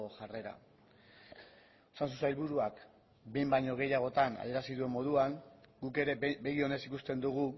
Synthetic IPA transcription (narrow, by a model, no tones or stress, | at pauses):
oʝare̞ɾa̰ | osans̬us̬ajlβuɾuak | be̞jmbajɲo̞ɣ̞e̞jaɣ̞o̞t̪ana̰ðe̞ɾasiðue̞mːo̞ð̞uaŋɡuke̞ɾe̞βe̞ɣio̞ne̞sikust̪e̞nd̪uɣ̞u